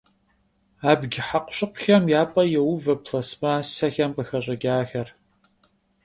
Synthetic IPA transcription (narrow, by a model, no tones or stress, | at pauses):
aːbɡʲɪħaqʷʊ̥ɕʼɪqʷʊxɐmjaːpʼɐjɛwʊvɐpʰɬɐsmasɐxɐmpʼɨxɐɕʼɐɡʲaːxɐr